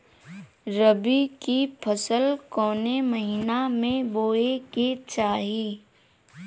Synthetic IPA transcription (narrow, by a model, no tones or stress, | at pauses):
ɾəbikipʰəsəlkɔːneməɦiːnamẽboːeket͡ʃaːɦiː